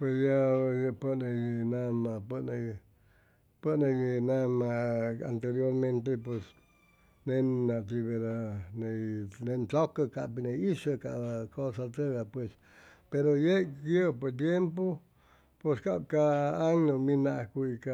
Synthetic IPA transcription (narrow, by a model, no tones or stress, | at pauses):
pwesjapənẽnãmãpənẽ | pənẽnãmãa̰nt̪eɾjoɾmẽnt̪̬epwes | nẽnãt̪iβeɾanẽnẽntokakaʔpinẽiʂakaʔakosat̪əɣapwes | peɾojeʔkipet̪̬jempo | peskabkaːŋnõmĩnãʔkʷuika